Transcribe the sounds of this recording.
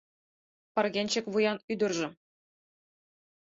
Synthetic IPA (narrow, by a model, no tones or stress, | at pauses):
pɑrɡʲenʲt͡ɕɘ̆kʲʋujɑnyd̪ʲɤ̆rʒɤ̆